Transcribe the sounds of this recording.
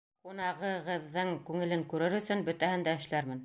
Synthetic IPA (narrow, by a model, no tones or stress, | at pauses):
qunɑʁɤ̆ʁɤ̆ðːɤɴkʉŋɘ̆lɘŋkʉɾɘɾɵ̆sɵnbɵ̆t̪æhɘnd̪æɘ̆ʃlæɾmɘn